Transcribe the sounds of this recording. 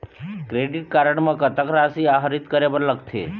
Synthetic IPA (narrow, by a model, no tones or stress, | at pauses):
kɾeɖiʈ̚kaɾəɳmãkət̪əkɾasiaɦɾit̪kəɾebəɾləkt̪ʰḛ